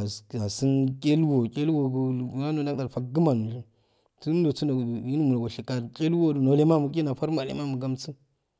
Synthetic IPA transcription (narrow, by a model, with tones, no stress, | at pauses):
a˨si˦nkʲʼe˦lwo˨kʲʼe˦lwo˨ɡu˨na˦no˨˦da˦da˨ɾfa˨kɡə˦ma˨n˨ʃi˦ | tu˦do˨t͡su˦no˨ji˦nu˦mu˨la˨ɡo˨ʃi˨ka˨ɾkʲʼe˦lwo˦du˨no˨le˦ma˦mu˨kʲe˦na˨fa˦ɾma˨lḛ˦ma˦mu˨ɡa˦mt͡su˦